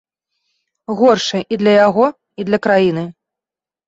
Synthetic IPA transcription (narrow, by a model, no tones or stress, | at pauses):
ɣɔrʂɐʔid̪lʲɐjaɣɔ | id̪lʲɐkɾajinɨ